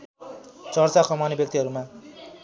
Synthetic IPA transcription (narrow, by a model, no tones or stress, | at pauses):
t͡sʌrt͡sakʰʌmanebjʌk̚t̪iɦʌɾuma